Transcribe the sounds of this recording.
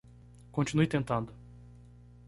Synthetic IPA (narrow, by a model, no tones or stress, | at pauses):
kõnt͡ʃinujt̪ẽnt̪ɐ̃nd̪ʊ